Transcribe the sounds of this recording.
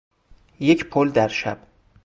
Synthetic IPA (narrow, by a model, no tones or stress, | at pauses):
jecʰpʰold̪æɾʃæb̥